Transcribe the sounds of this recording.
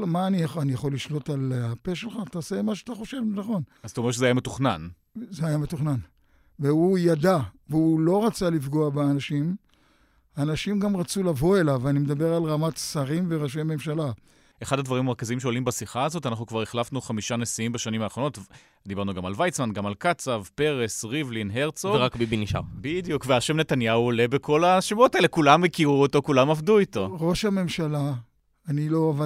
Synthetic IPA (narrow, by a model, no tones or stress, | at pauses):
lmaːnijaχanijaχo̞lːiʃlo̞talape̞ʃelχaːt̪aose̞maʃ̬eat̪aχo̞ʃe̞vnaχo̞naztaoeʁʃezeajame̞tuχnan | zeajame̞tuχnan | veujad̪aveulo̞ʁat͡salifɡo̞abeanaʃim | aːnaʃimɡamʁat͡sulavo̞e̞lavanimed̪abe̞ʁalʁamat̪saʁimve̞ʁaʃ̬ejme̞mʃala | eχad̪had̪vaʁimeʁkaziimʃeolimbasiχaːzo̞tanaχnukvaʁeχlafnuχamiʃane̞siimbaʃanimaːχʁono̞t̪ | d̪ibaʁnuɡamalvajt͡smanɡamalkat͡savpe̞ʁe̞sʁivlinɦe̞ʁt͡soveʁakbibiniʃa̰bid̪ijukveaʃemne̞t̪anjauole̞bekʰo̞laʃevotaelekulamːekiʁuoto̞kulamavduitoʁo̞ʃame̞mʃalaː | nilo̞ava